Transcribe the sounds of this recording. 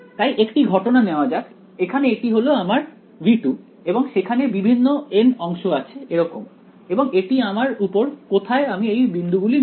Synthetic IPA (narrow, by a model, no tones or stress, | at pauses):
t̪ajʔekʈiɡʱɔʈonaneoad͡ʑat̪ | ekʰaneeʈiɦoloamaɾ | viʈu | eboŋʃekʰanebibʱinːoenɔŋʃoat͡ɕʰeeɾɔkom | eboŋeʈiamaɾupoɾkot̪ʰaeamiejbind̪uɡuli